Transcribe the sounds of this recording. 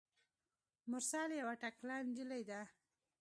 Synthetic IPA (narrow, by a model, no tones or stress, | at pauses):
mʊɾsɑljawaʈaklɑnd͡ʒəlajd̪a